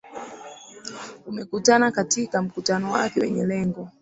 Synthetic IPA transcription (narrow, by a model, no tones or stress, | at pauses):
umɛkutanakatikam̩kutanɔwa̰kɛwɛ̰ɲɛlɛŋɡɔ